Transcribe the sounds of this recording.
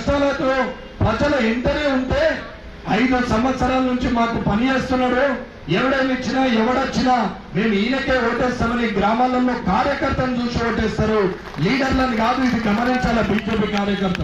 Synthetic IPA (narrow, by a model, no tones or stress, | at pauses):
st̪ɐːleːt̪oː | pɾɐd͡ʒɐlɐent̪ɐɾeːunt̪eː | ɐjd̪usɐmʋɐt̪sɐɾaːlɐnuɲt͡ʃimaːkupɐnijeːst̪unːaːɽu | ɛʋɐɽɐjnit͡ʃːinaːɛʋɐɽɐt͡ʃːinaː | neːmuiːnɐke̞ːoːʈːeːst̪aːmɐniɡɾaːmaːlɐnːoːkaːɾjɐkɐɾt̪ɐnt͡ʃuːt͡ʃuoːʈːeːst̪aːɾu | liːɖɐɾlɐniɡaːd̪uid̪iɡɐmɐniɲt͡ʃaːlɐbiːd͡ʒe̞ːpiːkaːɾjɐkɐɾt̪ɐl